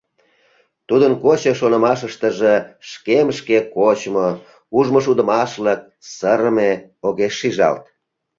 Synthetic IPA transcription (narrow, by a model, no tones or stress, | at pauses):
t̪ud̪ənkot͡ɕəʃonə̆mɑʃəʃt̪əʒeʃkemʃkekot͡ɕmo | uʒmoʃud̪ə̆mɑʃlək̚ | səɾəmeoɣeʃːiʒɑ̰lt̪̚